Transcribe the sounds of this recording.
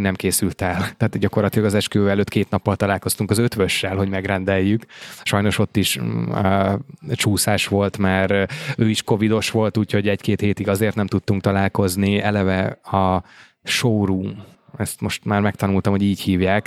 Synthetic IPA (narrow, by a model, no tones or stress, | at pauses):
nɛmkeːsylt̪ɛlt̪ɛːt̪ɟɒko̞rlɒt̪ilɒɡɒzɛʃkøɛløːt̪keːt̪nɒpːɒlt̪ɒlaːlko̞st̪uŋkɒzøt̪ʋøʃːɛlɦo̞ɟmɛɡɾɛnd̪ɛjːykʃɒjno̞ʃo̞t̪ːiʃ | t͡ʃuːsaːʃʋo̞lt̪maːɾøːiʃko̞vid̪o̞ʃʋo̞lt̪uːcʰho̞ɟɛɟkeːt̪heːt̪iɡɒzeːrt̪nɛmt̪ut̪ːuŋk̚t̪ɒlaːlko̞zniɛlɛvɛɒ | ʃoːɾuːmɛst̪mo̞ʃt̪maːrmɛkt̪ɒnult̪ɒmhoɟiːchiːvjaːk